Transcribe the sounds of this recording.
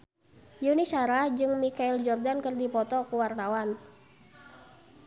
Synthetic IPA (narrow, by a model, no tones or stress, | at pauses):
junisaɾad͡ʒɨŋmikaild͡ʒɔrdankərdipɔt̪ɔkuwart̪awan